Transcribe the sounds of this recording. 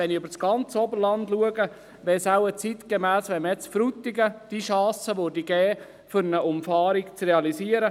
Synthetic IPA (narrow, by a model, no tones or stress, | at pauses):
ɛniøbəɾsɡ̥ɑnt͡səɔbəɾlɑndluəɡə | ʋɛsawət͡sit̪kemæːsʋɛnməjɛt͡sfɾut̪ːiɡəd̥iʃɑːsəʋodiɡɛː | fʏɾnəʔʊmfɑːɾikt͡sreɑlisiːəɾə